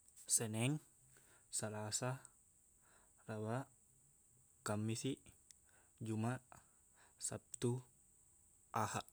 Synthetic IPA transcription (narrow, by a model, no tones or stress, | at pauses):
sɛnɛŋ | salasa | rawa | kamːisi | d͡ʒumaʔ | sa̰p̚t̪u | ʔahaʔ